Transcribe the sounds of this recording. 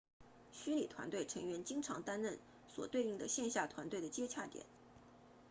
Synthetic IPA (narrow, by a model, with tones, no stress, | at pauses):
ɕy˥nli˨˩t̪ʰwa˧˥nt̪we˥˩ɪʈ͡ʂʰɤ˧˥ŋɥɛ˧˥nt͡ɕi˥ŋʈ͡ʂʰɑ˧˥ŋt̪a˥nɻə˥˩n | swɔ̰˨˩t̪we˥˧ɪi˥˩ŋd̪ə˩ɕjɛ˥˧nɕja˥˩t̪ʰwa˧˥nt̪we˥˩ɪd̪ə˩t͡ɕjɛ˥t͡ɕʰja˥˩t̪jɛ̰˨˩˦n